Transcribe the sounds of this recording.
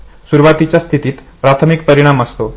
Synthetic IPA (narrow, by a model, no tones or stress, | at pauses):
suɾuʋat̪it͡ɕjast̪ʰit̪iːt̪ | pɾat̪ʰəmikpəɾiɽ̃aməst̪o